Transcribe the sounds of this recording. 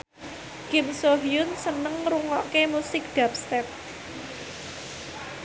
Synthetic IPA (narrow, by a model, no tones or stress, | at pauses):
ɡ̥ɪmsoɦijʊnsənəŋɾuŋɔʔkemusɪk̚d̪̥ap̚st̪ɛp̚